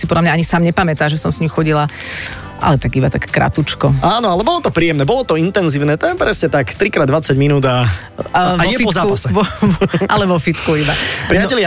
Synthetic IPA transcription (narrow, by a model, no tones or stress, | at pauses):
sipɔd̪lamɲaaɲisaːmɲɛpamɛt̪aːʒɛsɔmsɲimxɔɟila | ʔa̰lɛt̪aɡibat̪akɛ̥kɾa̰t̪ut͡ʃkɔaːnɔalɛbɔlɔt̪ɔpɾiːjɛmnɛːbɔlɔt̪ɔint̪ɛnziːʊnɛːt̪ɔjɛpɾɛsɲɛt̪akt̪ɾikɾaːd̪ʋat͡saɟminuːd̪a | ajɛfpɔzaːpasɛʋɔʔalɛʋɔfit̪kuibapɾɪaɛlɪa